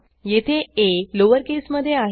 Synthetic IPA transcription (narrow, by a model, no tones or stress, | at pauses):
jet̪ʰeeloʋəɾkesməd̪ʱːjeaɦ